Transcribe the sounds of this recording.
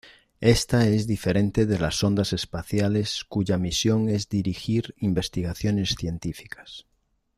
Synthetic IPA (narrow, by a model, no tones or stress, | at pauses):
est̪aezðifeɾẽnt̪eðelasond̪ase̞spaθjaleskuʝamisjo̞ŋezd̪iɾixiɾimbe̞st̪iɣaθjone̞sθje̞nt̪ifi̥kḁs